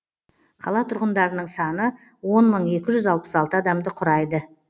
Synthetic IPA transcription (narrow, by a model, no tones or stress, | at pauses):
qʰɑlˠɑt̪ʰʊɾʁənd̪ɑɾənəɴsɑnə | wo̞nməɴe̞kʲɪʒʏzɑlˠpə̥sɑlˠt̪əɑd̪ɑmd̪əqʰʊɾɑjd̪ə